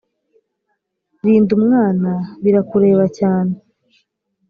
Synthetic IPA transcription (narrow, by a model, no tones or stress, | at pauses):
ɾiːndumŋaːnaβiɾakuɾe̞ːβacaːne